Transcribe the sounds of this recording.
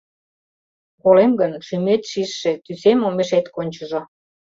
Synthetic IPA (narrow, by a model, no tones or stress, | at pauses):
kolemɡənʃymet̪ʃiʃːĕt̪ysemomeʃet̪konʲt͡ɕə̆ʒo